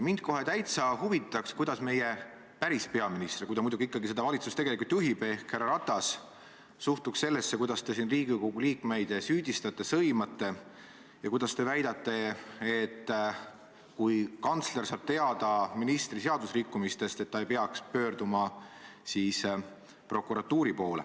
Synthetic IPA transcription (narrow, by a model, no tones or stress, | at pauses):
mind̪̥ko̞ɦe̞t̪æjt̪sɑhuvit̪ːˑɑkskujd̪ɑsme̞je̞ | pæɾispe̞ɑminist̪ɾrikujd̪ɑmujd̪uɡ̥iikːɑɡised̪ɑvɑlʲit̪sust̪eɡ̥elikult̪juɦib̥e̞hkhærɑɾɑt̪ːˑɑsː | uht̪uksse̞lːesːe̞kujd̪ɑst̪e̞sinriːɡikoɡuliːkme̞jd̪syːd̪̥ʲist̪ɑt̪ːˑe̞sɤjmɑt̪ːe̞ | jɑkujd̪ɑst̪e̞væjd̪̥ɑt̪ːˑe̞et̪ː | kujkɑnt̪sle̞rsɑːb̥̚t̪e̞ɑd̪̥ɑminist̪rise̞ɑd̪usrikːumist̪e̞st̪e̞t̪ːɑejpe̞ɑkspø̞ːrd̪umɑsiːs | pro̞kuɾɑt̪ːuːɾipo̞ːlḛ